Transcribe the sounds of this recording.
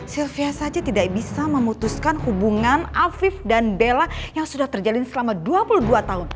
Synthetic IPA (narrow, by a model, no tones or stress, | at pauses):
silfiasad͡ʒat̪idaʔ̚bisaməmut̪uskanhubuŋanafɪfdanbelajaŋsudaht̪ərd͡ʒalɪnsəlamaduapuluhduat̪aɦʊn